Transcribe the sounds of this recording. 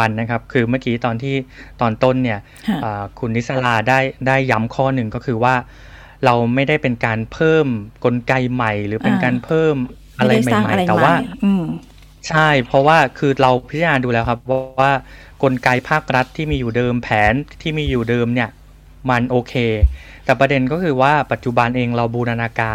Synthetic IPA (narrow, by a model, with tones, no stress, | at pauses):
a˧nːa˦˥kʰa˦˥p̚kʰɯː˧maː˥˩kiː˨˦˥t̪ɔː˧nt̪ʰiː˥˩t̪ɔː˧nt̪o˥˩nːi˥˩ɐ | ʔaː˨˩kʰu˧nːʔːi˦˥t̪̚sa˧laː˧daː˥˩jdaː˥˩jːa˦˥mkʰɔː˥˩nɯ˨˩ŋkɔː˥˩kʰɯː˧waː˥˩ | ɾa˧wma˥˩jdaː˥˩jpe˧nkaː˧npʰɤː˥˩mko˧nka˧jma˨˩jɾɯː˩˦pe˧nkaː˧npʰɤː˥˩m | ʔa˧ɾa˧jma˨˩˥jma˧˩jt̪ɛː˨˩waː˥˩˧ | t͡ɕʰa˥˩jpʰɾɔ˦˥waː˥˩kʰɯː˧ɾa˧wpʰi˦˥t̪̚ːa˧naː˧duː˧lɛː˦˥wkʰa˦˥p̚wɔ˦˥waː˥˩ | ko˧nka˧jpʰaː˥˩k̚ɾa˦˥t̪ʰːiː˥˩miː˧juː˨˩dɤː˧mpʰɛː˩˦nt̪ʰiː˥˩miː˧juː˨˩dɤː˧mni˥˩ɐ | ma˧nʔoː˧kʰeː˧t̪ɛː˨˩pɾa˧de˧nkɔː˥˩kʰɯː˧waː˥˩pa˨˩t̪̚t͡ɕu˨˩ba˧nʔeː˧ŋɾa˧wbuː˧na˧naː˧kaː˧